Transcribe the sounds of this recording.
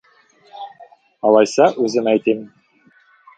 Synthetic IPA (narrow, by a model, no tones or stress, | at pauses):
ɑlˠɑjsɑʔʉzɘnæjt̪im